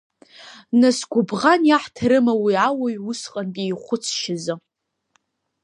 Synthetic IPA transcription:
nasɡʷʊbʁanjaħtʰɨɾɨmawiawajʊsqʼanpʼiejχʷʊt͡sʰʃɪzɨ

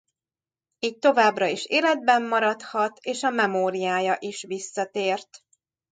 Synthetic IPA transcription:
iːc̚t̪o̞vaːbrɒiʃeːlɛd̪̚bɛmːɒɾɒt̪hɒt̪eːʃɒmɛmoːɾijaːjɒʔiʃʋisːɒt̪eːrt̪

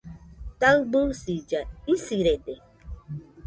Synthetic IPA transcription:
tawɡ͡busid͡ʒaisiɾede

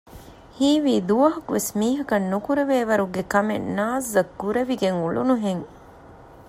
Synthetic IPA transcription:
hiːʋiːd̪uʋɐɦɐkuʋesmiːɦɐkɐnːukuɾeʋeːʋɐɾuɡekɐmenːaːzɐkːuɾeʋiɡeŋuɭṵnuɦeŋ

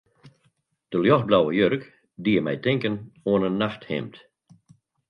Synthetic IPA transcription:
d̥əljɔxblawəjørk | diəmɛ̰jtɪŋkənoənənːaxthɪ̰mt

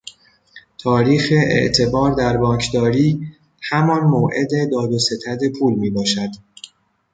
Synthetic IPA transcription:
t̪ʰɒːɾiːxeḛʔt̪ʰe̞bɒːɾd̪æɾbɒːŋkʰd̪ɒːɾiː | hæmɒːnmoːʔe̞d̪e̞d̪ɒːd̪ose̞t̪ʰæd̪e̞pʰuːlmiːbɒːʃæd̪̥

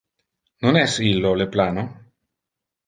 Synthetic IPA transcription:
nonɛsilːoleplaːno

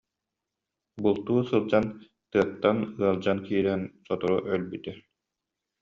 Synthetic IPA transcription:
bulˠt̪uːsɯlˠd͡ʑan | t̪ɯɐk̚t̪ːanɯɐlˠd͡ʑankiːɾɛnsɔt̪ɔɾuʔœlbyt̪ɛ

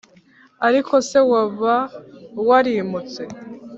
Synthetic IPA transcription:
aɾikʰo̞se̞waβawaɾimut͡se̞

